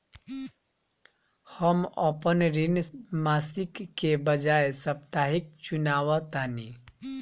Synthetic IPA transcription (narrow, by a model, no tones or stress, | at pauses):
həmə̰pənɾinmasikːebəd͡ʒaesəpt̪aɦik̚t͡ʃunawət̪ani